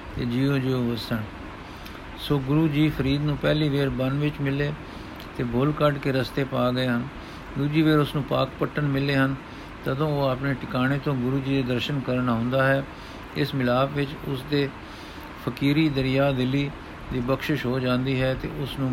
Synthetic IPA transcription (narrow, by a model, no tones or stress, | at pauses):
t̪eːd͡ʒiːõːd͡ʒiːoːʋəsəɳ | soːɡʊɾuːd͡ʒiːpʰəɾiːd̪nũːpɛːliːʋeːɾbənʋɪt͡ʃmɪleː | t̪eːbʱʊlkəɖkeːɾəst̪eːpaːɡəeːɦən | d̪uːd͡ʒiːʋeːɾʊsnũːpaːkpəʈːənmɪleːɦən | t̪əd̪õːoːaːpɳeːʈɪkaːɽ̃eːt̪õːɡʊɾuːd͡ʒiːd̪eːd̪əɾʃənkəɾɳaːɦʊ̃ːnd̪aːɦɛː | ɪsmɪlaːpʋɪt͡ʃʊsd̪eː | pʰəkiːɾiːd̪əɾɪjaːd̪ɪlːiː | d̪iːbəkʃɪʃɦoːd͡ʒãːnd̪iːɦɛːt̪ḛːʊsnũː